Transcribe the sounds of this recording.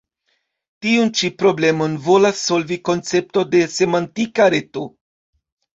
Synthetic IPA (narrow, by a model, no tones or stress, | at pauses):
tiunt͡ʃipɾo̞ble̞mo̞nvo̞lasːo̞lviko̞nt͡se̞p̚to̞de̞se̞mantikaɾe̞to